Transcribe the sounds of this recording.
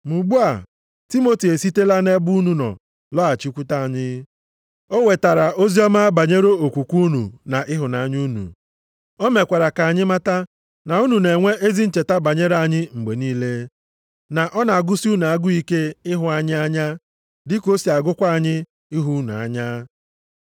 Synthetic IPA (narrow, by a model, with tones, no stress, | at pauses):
mu˨ɡ͡bu˦a˨ | ti˦mo˦ti˨e˨si˦te˦la˦ne˦bu˦nu˨nɔ̰˨ | lɔ˦a˨t͡ʃi˦kʷu˦ta˦a˨ɲɪ˦ | o˦we˨ta˨ɾa˨ʔo˦zi˦ɔ˦ma˦ba˨ɲe˦ɾo˦o˨kʷu˨kʷu˦nṵ˨na˨ʔɪ˦ɦʊ˨na˨ɲ˦u˦nṵ˨ | o˦me˨kʷa˨ɾa˨ka˨ɲɪ˦ma˦ta˦ | na˨u˦nu˨ne˨ŋʷe˦ʔe˦zi˦n̩˦t͡ʃe˨ta˦ba˨ɲe˦ɾa˨ɲɪ˦ŋ͡m̩˨ɡ͡be˨niː˦le˦ | na˨ʔɔ˦na˨a˨ɡʊ˦si˦u˦n˨a˦ɡʊ˦i˦ke˦ɪ˦ɦʊ˨a˨ɲɪ˦a˦ɲa˦ | dɪ˦ko˦si˨a˨ɡʊ˦kʷa˦a˨ɲɪ˦ | ɪ˦ɦu˦nu˨a̰˨ɲa˦